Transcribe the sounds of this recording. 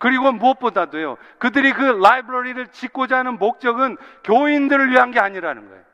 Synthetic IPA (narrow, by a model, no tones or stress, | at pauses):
kɯɾiɡomuʌp̚p͈odadojo̰ | kɯdɯɾikɯlaibɾʌɾiɾɯɭt͡ɕik͈ʰod͡ʑanɯnmok̚t͡ɕ͈ʌɡɯnkjoindɯɾɯɭɥiɦanɡe̞aɲiɾanɯnɡʌ̰ḛjo